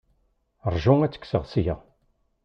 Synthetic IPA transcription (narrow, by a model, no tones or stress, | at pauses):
ɾˤʒuŋæt͡sːə̥kːsəʁsja